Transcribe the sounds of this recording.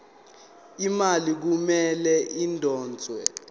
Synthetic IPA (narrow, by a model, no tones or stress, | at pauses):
imalik̬umɛlɛʔindʱɔːnd͡zʱwɛ̰